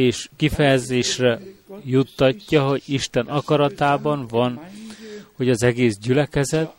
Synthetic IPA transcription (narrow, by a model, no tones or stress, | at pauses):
eːʃkifɛjɛzeːʃrɛjut̪ːɒcːɒɦo̞ɟiʃt̪ɛnʔɒkɒɾɒt̪aːbɒnvɒn | ho̞ɟɒzɛɡeːsɟylɛkɛzɛt̪̚